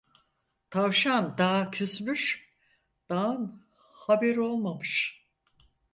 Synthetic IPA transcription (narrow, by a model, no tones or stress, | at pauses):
t̪ʰavʃand̪aːcʰysmyʃ | d̪̥aːɯn | habɛɾo̞lˠmamɯʃ